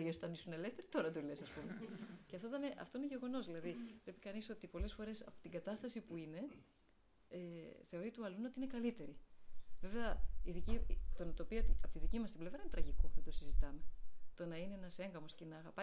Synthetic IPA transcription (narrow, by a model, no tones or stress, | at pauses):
ɐʝesot̪ɐnisune̞left̪e̞ɾit̪o̞ɾɐt̪ule̞sɐspumeceɐft̪ot̪ɐneʔɐ̰ft̪o̞ineʝe̞ɣo̞no̞zðilɐðivle̞pi̥kɐniso̞t̪ipo̞le̞sfo̞ɾe̞sɐpo̥t̪iŋɡɐt̪ɐst̪ɐsipuine̞ | eθe̞o̞ɾit̪uɐluneot̪iinekɐlit̪e̞ɾive̞veɐiðicit̪o̞nɐt̪o̞piɐt̪iɐpot̪iðicimɐst̪imble̞vɾɐinet̪ɾɐʝikouðet̪osizit̪ɐme̞t̪o̞nɐineenɐse̞ŋɡɐmo̞sce̞nɐːɣɐpɐ